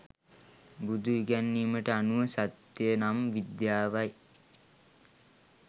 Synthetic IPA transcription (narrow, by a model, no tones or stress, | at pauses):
bud̪uiɡænːiːməʈəanuʋəsat̪jənamʋid̪jaːʋaj